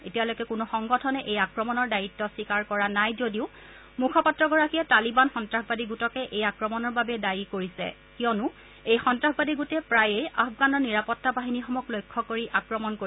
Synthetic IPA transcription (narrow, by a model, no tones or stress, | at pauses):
etijalɔjkɛkʊnʊxɔŋɡɔtʰɔnɛʔejakɹɔmɔnɔɹdajitːɔsikaɹkɔɹanajzodiʊ | mukʰɔpatːɹɔɡɔɹakiɛtalibanxɔntɹaxbadiɡutɔkɛʔejakɹɔmɔnɔɹbabɛdajikoɹisɛ̰ | kijɔnʊ | ejxɔntɹaxbadiɡutɛpɹajejafɡanɔɹniɹapɔtːabaɦinixɔmɔklojkʰːɔkoɹiʔakɹɔmɔnkoi